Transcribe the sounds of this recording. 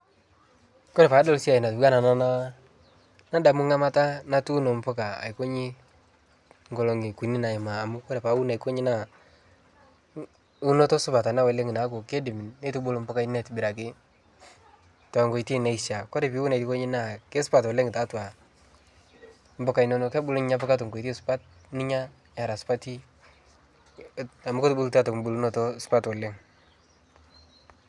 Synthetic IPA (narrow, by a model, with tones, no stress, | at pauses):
kɔ˦ɾe˨pa˨˦dɔ˦lsi˦a˨ɪ˨na˨tba˦na˨na˦na˦ | na˦da˨mʊ˦ŋa˦ma˦ta˦na˦tu˦no˨m˦pɔ˦ka˨a̰˨ko˦ɲɪ˦ | ŋɡɔ˨lo˨ŋɪ˨ku˨ni˦na˨ɪ˨maː˨mʊ˦kɔ˦ɾe˨pa˨˦u˦na˨iko˦ɲi˦na˦˨ | u˦no˦tɔ˦sʊ˦pa˨ta˨na˦wɛ˨le˦ŋɪ˨na˨˦ko˨ke˦dɪ˨mɪ˨nne˦tu˦ɓo˦lo˨mbɔ˦ka˦nɛ˦tbɪ˨ɾa˨kɪ˦ | ta˨ŋɡo˨i˨ti˦na˦i˨sa˨kɔ˦ɾɛ˨pi˦wu˦na˨tko˦ɲɪ˦na˦˨ke˦sʊ˦pa˨twɔ˨le˦ŋɪ˨ta˨˦twa˨ | m̩bɔ˦ka˨nɔ˦no˨kɛ˦bʊ˦lɲɪ˦ɲa˦p̬a˦ka˦to˨ŋɡo˨tsʊ̥˨pa˦t̚ | nɪ˦ɲa˦ | ja˨ɾa˨spa˦ti˦ | a˨ma˦ko˦tʊ˦bu˦lta˦tɔ˨km˦bu˦lu˦nɔ˦tɔ˦sʊ̥pa˦twɔ˨le˦ŋ